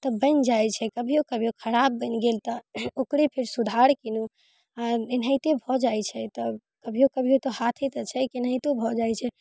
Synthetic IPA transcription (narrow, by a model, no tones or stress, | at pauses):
t̪ɔbənd͡ʒajt͡ʃʰɛkəbʱijokəbʱijokʰəɾabːənɡelt̪ɔokɾepʰeɾsud̪ʱaɾkinu | aenɦəjt̪ebʱɔd͡ʒajt͡ʃʰɛt̪ɔ | kəbʱijokəbʱijot̪ɔhat̪ʰet̪ət͡ʃʰɛkinɦəjt̪obʱɔd͡ʒajt͡ʃʰɛ